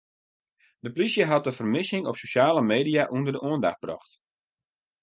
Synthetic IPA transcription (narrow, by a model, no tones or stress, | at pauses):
dəplisjəɦɑt̚dəfərmɪsɪŋɔpsoʃaːləmeːdijaʔundərdəʔuənda̰xt̚b̥rɔ̰xt